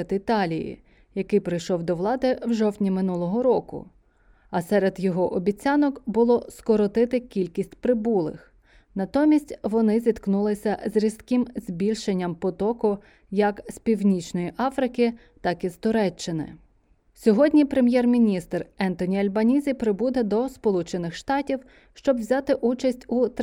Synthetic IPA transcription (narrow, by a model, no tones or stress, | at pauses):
d̪ɪt̪ɑlʲijḭ | jɐkɪjpɾɪjʃɔwd̪ɔʋlˠɑd̪ɪwʒɔwtʲnʲimɪnulˠɔɦɔɾɔkʊ̰ | ɐsɛɾed̪jɔɦɔʔɔbʲit͡sʲanɔkbʊlˠɔskɔɾɔt̪ɪt̪ɪkʲilʲkʲisʲtʲpɾɪbulˠɪ̰x | nɐt̪ɔmʲisʲtʲʋɔnɪzʲit̪knulˠɪsʲɐzɾʲiskɪmz̥ʲbʲilʲʃenʲːɐmpɔt̪ɔkʊ | jɐkspʲiwnʲit͡ʃnɔjiʔɑfɾɪkɪ | t̪ɑkist̪ʊɾɛt͡ʃːɪnɪ̰ | sʲɔɦɔdʲnʲipɾemʲjɛrmʲinʲist̪rɛnt̪ɔnʲiɐlʲbɐnʲizʲipɾɪbud̪ɛd̪ɔspɔlˠut͡ʃenɪxʃt̪ɑtʲiw | ʃt͡ʃɔbwzʲɑt̪ɪʔut͡ʃɐsʲtʲut̪